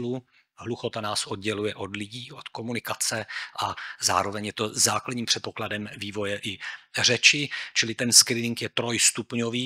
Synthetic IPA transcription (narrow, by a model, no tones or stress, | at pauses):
lu | ɦluxo̞t̪anaːsʔo̞d̪̚ɟɛlujɛʔo̞d̪lɪɟiːʔot̪ko̞munɪkat͡sɛʔaza̰ːɾo̞vɛɲjɛt̪o̞zaːkladɲiːmpr̥ɛt̪po̞kladɛmviːvo̞jɛʔɪr̝ɛt͡ʃɪt͡ʃɪlɪt̪ɛnskɾiːnɪŋkjɛt̪ɾo̞jst̪upɲoviː